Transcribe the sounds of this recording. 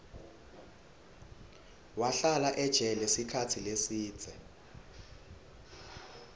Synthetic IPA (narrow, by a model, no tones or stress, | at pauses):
waɬalaʔɛd̥ʒ̥ʱɛlɛsikʰatʰilesiːd̥d͡z̥ʱɛ